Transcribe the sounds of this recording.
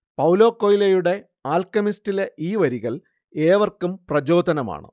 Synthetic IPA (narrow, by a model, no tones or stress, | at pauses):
pɐwlo̞ːkːoːjilejuɽe̞ | aːlkɐmistile̞ʔiːʋɐɾiɣɐl | eːʋɐrkːumprɐd͡ʑo̞ːd̪ʱɐnɐma̰ːɳɨ̰